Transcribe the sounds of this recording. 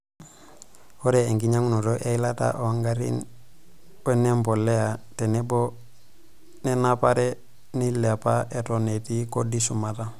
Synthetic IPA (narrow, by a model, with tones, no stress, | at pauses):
ho˦ɾe˨e˨ŋɡi˦ɲa˦ŋuno˨do˦ʔe˦ila˦ta̰ʔo˨waŋɡaɾḭn | we˦ne˦mbo˨lːe˦ate˨ne˦bo˦ | ne˦napaɾe | ni˦la˨pa˦e˨to˨ne˨ti˦kodi˦su˨ma˨ta˦